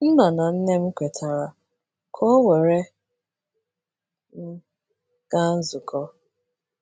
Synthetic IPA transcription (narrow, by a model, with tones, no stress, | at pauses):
n̩˦na˨na˨n̩˦ne˦m̩˦kʷe˨tʰa˨ɾa˨ | kʰɔ˦we˨ɾe˦ | n̩˦ | ɡ̥a˦n̩˦zʊ˨kʰɔ˦